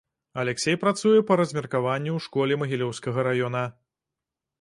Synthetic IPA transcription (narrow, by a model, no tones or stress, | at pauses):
ɐlʲɛksʲejpɾat̪sujɛpɐɾɐzʲmʲɛrkavanʲːuwʂkɔlʲɛmɐɣʲilʲɔwskɐɣɐɾajɔnɐ